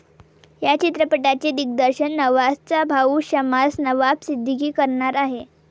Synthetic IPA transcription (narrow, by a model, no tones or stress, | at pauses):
jat͡ɕit̪ɾəpəʈat͡ɕed̪ik̚d̪əɾɕənːəʋast͡sabʱauːɕəmasnəʋapsid̪ʱːəkiːkəɾɳaɾaɦe